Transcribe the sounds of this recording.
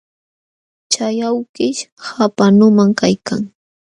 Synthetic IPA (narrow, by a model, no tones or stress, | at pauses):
t͡ʃajawkɪʃhapanʊmaŋkajkaŋ